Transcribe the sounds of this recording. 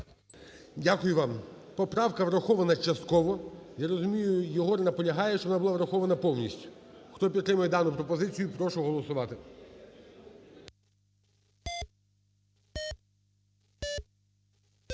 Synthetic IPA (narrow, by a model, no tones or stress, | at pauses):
dʲakʊjʊʋɑmpɔpɾɑwkɐʋɾɐxɔʋɐnɐt͡ʃɐst̪̚kɔʋɔjaɾɔzʊmʲijʊjɔɦɔrnɐpɔlʲɐɦɑjɛʃt͡ʃɔʋɔnabʊlˠaʋɾɐxɔʋɐnɐpɔwnʲisʲtʲʊ̥xt̪ɔpʲit̪t̪ːɾɪmʊjɛd̪ɑnʊpɾɔpɔzɪt͡sʲijʊpɾɔʃʊɦɔlˠɔsʊʋɑt̪ɪ